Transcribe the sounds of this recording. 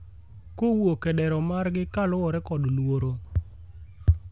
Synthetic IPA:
kowokɛɗɛɾɔmarɡɪkalʊwɔɾɛkɔdlwoɾo

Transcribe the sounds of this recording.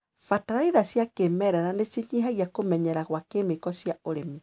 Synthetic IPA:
fataɾaiðasjakemɛɾɛɾanesiɲiɦaɣjakomɛɲɛɾaɣwakemekɔsjaoɾemi

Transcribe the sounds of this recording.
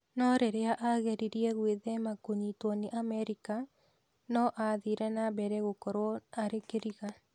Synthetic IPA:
nɔɾeɾeaʔaɣeɾiɾiɛɣweðɛmakoɲitwɔneʔamɛɾika | nɔʔaðiɾɛnabɛɾɛɣokɔɾwɔaɾekeɾiɣa

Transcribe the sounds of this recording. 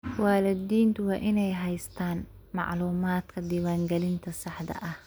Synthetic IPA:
wɑːlɪd̪iːnt̪ʰʊwɑːʔɪnɛjɦɛjst̪ʰaːn | mɑ̰ʕluːmaːd̪kʰɐd̪iːwaːŋɡɛlɪnt̪ʰɐsɑħd̪ɐ̰ʔɐh

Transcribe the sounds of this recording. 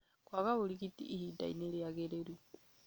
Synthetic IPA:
kwakaβulikitḭʔːhida̰ḭnejaɣeɾeɾu

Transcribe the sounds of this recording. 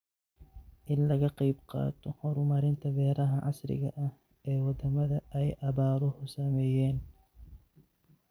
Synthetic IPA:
ʔɪnlɐɣɐqɑjbqɑ̰ːt̪ʰɔhɔɾʊmɐɾɪnt̪ʰɐbɛːɾɐɦɐʕɑ̰srɪ̰ɣɐ̰ʔɐh | ɛːwɑd̪ɐmɐðɐʔɛjʔɐβaːɾɔhʊsɐmɛːjɛːn

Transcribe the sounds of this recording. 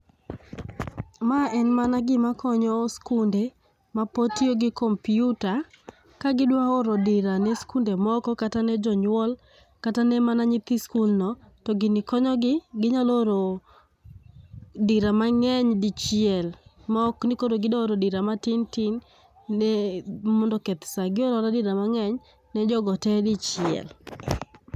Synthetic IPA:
maɛnmanaɡɪmakʰɔɲɔskunde | mapotioɡɪkompiuta | kaɡɪdwaoɾɔdɪɾanɛskundemɔkɔkatanɛd͡ʒɔɲwɔl | katanɛmanaɲɪt̪iskulnɔ | tɔɡɪnɪkɔɲɔɡɪɡɪɲaloɾo | diɾamaŋɛɲdɪt͡ʃjɪɛlmɔknɪkoɾoɡɪdɔoɾodiɾamatɪntɪnː | ɛmɔndɔkɛt̪saɡɪoɾɔɾadɪɾamaŋɛɲ | nɛd͡ʒɔɡɔtɛdɪt͡ʃjɪɛ̰l

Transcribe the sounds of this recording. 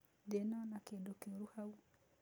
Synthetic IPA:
dɛnanakedukeɾuhau

